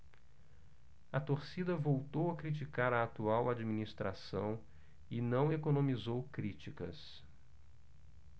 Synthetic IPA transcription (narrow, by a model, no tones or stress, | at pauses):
ɐt̪oɾsid̪ɐvowt̪owɐkɾit͡ʃikaɾɐat̪uawad͡ʒiminist̪ɾa̰sɐ̰̃w̃ | ɪnɐ̃w̃ekonõmizowkɾit͡ʃikɐ̰s